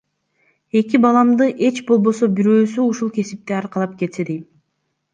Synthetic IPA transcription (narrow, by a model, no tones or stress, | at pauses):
e̞kibɑlˠɑmd̪ɯʔe̞t͡ʃbo̞lˠbo̞so̞biɾøːsyuʃulˠkʰe̞sip̚t̪eɑɾqɑlˠɑp̚ke̞t̪sed̪ej